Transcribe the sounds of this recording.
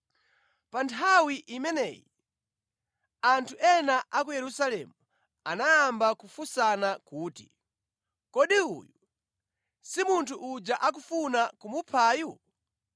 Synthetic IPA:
pantʰawiʔimɛnɛ̰ːjḭ | antʰuʔɛnaʔak̬ujɛɾusalɛmu | anajambakufusanakuːtḭ | kɔɗiṵju | simuntʰuʔːd͡ʒaʔak̬ufunakumupʰaːju

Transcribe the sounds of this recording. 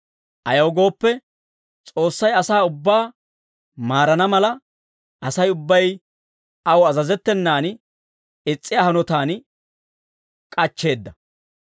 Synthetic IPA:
ʔɐjɐwɡo̞ːpːɛ | t͡sʼo̞ːsːɐjɐsaːʊbːaː | maːɾɐnɐmɐlɐ | ʔɐsɐjʊbːɐj | ɐwɐzɐzɛt̪ːɛnːaːn | ɪt͡sʼːɪjaːɦɐnɔt̪aːn | kʼɐt͡ʃːe̞ːd̪ːɐ

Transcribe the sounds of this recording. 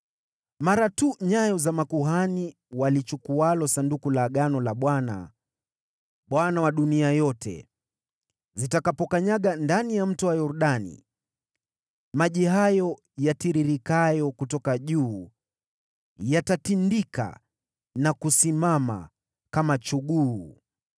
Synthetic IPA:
maɾatuɲajɔzamakuɦani | walit͡ʃukualɔsandukulaɠanɔlaɓwana̰ | ɓwanawaɗuniajɔtʰɛ̰ | zitakapɔkaɲaɠandanijam̩tuwajɔɾuɗanḭ | maʄiɦajɔ | jatiɾiɾikajɔkutɔkaʄuː | jatatindika̰ | nakusimama̰ | kamat͡ʃuɠuː

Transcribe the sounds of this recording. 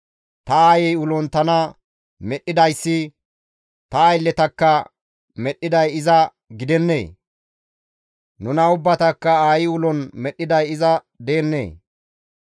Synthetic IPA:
t̪ɐaːjɛjʊlɔnt̪ɐnɐ | mɛɗːɪd̪ɐjsːɪ | t̪ɐːjlːɛt̪ɐkːɐ | mɛɗːɪd̪ɐjɪzɐ | ɡɪd̪ɛnːḛː | nʊnɐʊbːɐt̪ɐkːɐaːjɪʊlɔnmɛɗːɪd̪ɐjɪzɐ | d̪eːnːḛː

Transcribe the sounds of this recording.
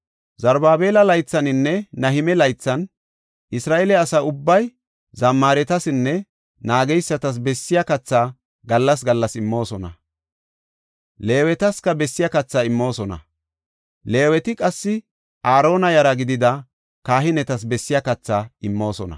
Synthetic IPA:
zɐɾbaːbe̞ːlɐlɐjt͡sːɐnɪnːɛnɐɦɪmɛlɐjt͡sːɐn | ʔɪsɾaːʔɛlɛɐsɐʊbːɐj | zɐmːaːɾɛt̪ɐsɪnːɛ | naːɡɛjsːɐt̪ɐs̬bɛsːɪjɐkɐt͡sːaː | ɡɐlːɐs̬ɡɐlːɐsɪmːo̞ːsɔnɐ̰ | le̞ːwɛt̪ɐskɐbɛsːɪjɐkɐt͡sːaːɪmːo̞ːsɔnɐ̰ | le̞ːwɛt̪ɪkʼɐsːɪ | ʔaːɾo̞ːnɐjɐɾɐɡɪd̪ɪd̪ɐ | kaːɦɪnɛt̪ɐsbɛsːɪjɐkɐt͡sːaːɪmːo̞ːsɔnɐ̰

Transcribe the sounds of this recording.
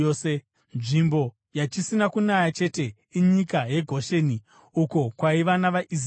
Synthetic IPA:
se | nʐimbo̞ | jat͡ʃisinakunajat͡ʃe̞te̞ | iɲikaje̞ɡʱo̞ʃe̞ni | uko̞kwaiʋanaʋaʔis

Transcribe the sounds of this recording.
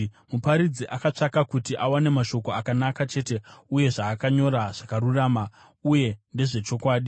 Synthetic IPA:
mupaɾid͡ziʔakat͡ʂakakutiʔawane̞maʃo̞ko̞akanakat͡ʃe̞ːte̞uje̞ʐaːkaɲo̞ɾaʐ̥akaruraːma | uje̞nde̞ʐe̞t͡ʃo̞kwaːɗi

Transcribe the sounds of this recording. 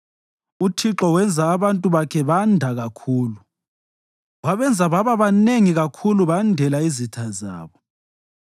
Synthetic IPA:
utʰiǁɔwɛnd͡zʱaːβantʼuβakʰɛβandʱaɣakʰuːlu | waβɛnd͡zʱaβaβaβaneŋiɣakʰuluβandʱɛlaizitʰaza̰ːβɔ

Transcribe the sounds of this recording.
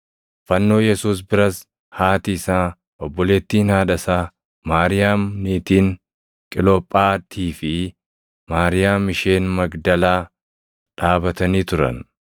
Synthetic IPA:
fɐnːo̞ːjɛsuːs̬bɪɾɐs | haːt̪ɪsaː | ɔbːɔle̞ːt̪ːiːnhaːᶑɐsaː | maːɾɪjaːmniːt̪iːŋ | kʼɪlɔpʼːaːt̪ʰiːfɪ | maːɾɪjaːmɪʃeːnmɐɡd̪ɐlaː | ᶑaːbɐt̪ɐniːt̪ʊɾɐ̰n

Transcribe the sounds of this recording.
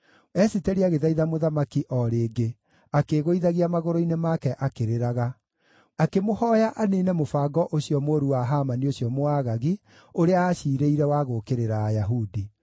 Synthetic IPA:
ɛsitɛɾiaɣeðaiðamoðamakiʔɔɾeːɡe | akeɣoiðaɣiamaɣoɾoinemakɛʔakeɾeɾaɣa | akemohɔjaʔaneːnɛmofaːɡɔʔoɕiɔmoːɾuwaɦamanioɕjɔmoaːɣaɣi | oɾeaaɕiːɾeiɾɛwaɣokeɾeɾaːjaɦudi

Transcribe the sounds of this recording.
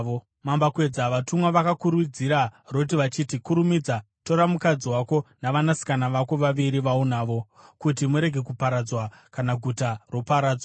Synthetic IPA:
o | mambakwe̞d͡zaʋatumwaʋakakuɾud͡ziɾarot̬iʋat͡ʃiːtikuɾumid͡za | to̞ɾamukad͡ziwako̞naʋanasi̥kanaʋako̞ʋaʋiɾiʋaunaːʋo̞ | kutimuɾe̞ɡʱe̞kupaɾad͡zwakanaɡʱutaro̞paɾaːd͡zwaa

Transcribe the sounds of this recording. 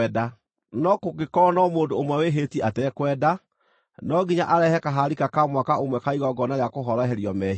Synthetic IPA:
ɛda | nɔkokekɔnɔmoːndoomwɛweɦetiatɛkwɛːda | nɔɡiɲaʔaɾɛhɛkaɦaɾikakamwakaomwɛkaiɣɔɡɔnaɾejakoɦɔɾɔɦɛɾiɔmɛ

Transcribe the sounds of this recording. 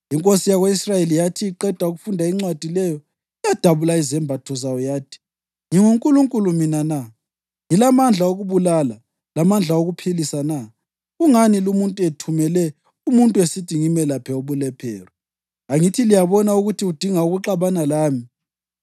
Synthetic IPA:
iŋkʼosijaɣweisrajelijatʰiːǃɛd̥ʱauɣufundʱaiŋ͡ǀwad̥ʱilɛjɔ | ijad̥ʱaβulaizɛmbʱatʰɔzawɔjaːtʰi̥ | ŋiŋuŋkʼuluŋkʼuluminana | ŋilamand͡ɮʱaoɣuβulala | lamand͡ɮʱaoɣupʰilisana | ɣuŋanilumuntʼuɛtʰumɛlɛ | umuntʼuesidʱiŋimɛlapʰɛoβulɛpʰɛːrɛ | aŋitʰilijaβɔnauɣutʰiud̥ʱiŋauɣuǁaβanalaːmi

